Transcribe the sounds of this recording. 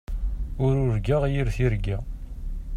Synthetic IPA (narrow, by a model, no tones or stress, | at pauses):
ʊɾʊɾɡaʁjiɾθiɾɡæ